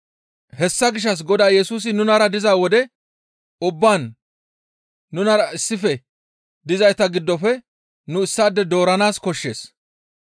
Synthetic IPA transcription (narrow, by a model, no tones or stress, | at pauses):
hɛsːɐɡɪʃːɐs̬ɡɔd̪aːjɛsuːs̬ɪnʊnɐɾɐd̪ɪzaːwɔd̪ɛ | ʊbːaːn | ʊnɐɾɐɪsːɪfɛ | d̪ɪzɐjt̪ɐɡɪd̪ːɔfɛ | nʊɪsːaːd̪ːɛd̪o̞ːɾɐnaːskɔʃːe̞ːs